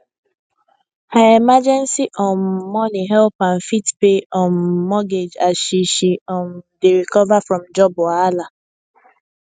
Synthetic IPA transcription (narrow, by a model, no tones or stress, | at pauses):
hajemad͡ʒɛ̃nsiʔɔnmɔniɦɛlpãn̩fitpeʔɔnmɔɡed͡ʒaʃiʃiɔndeɾikɔvafɹɔ̃md͡ʒɔbʊala